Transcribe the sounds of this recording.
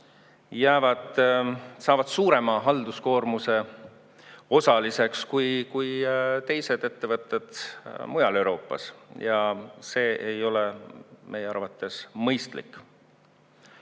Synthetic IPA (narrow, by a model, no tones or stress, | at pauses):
jæːvɑd̪̥sɑːvɑd̪̥suːɾe̞mɑɦɑld̪̥usko̞ːrmuse̞ | o̞sɑlise̞kskujkujt̪e̞jse̞d̪̥e̞t̪ːe̞vɤt̪ːˑe̞d̪̥mujɑle̞wɾo̞ːpːˑɑ̰sjɑse̞ːʔejo̞le̞mʔe̞jeɑrvɑt̪ːˑe̞smɤjst̪lḭkː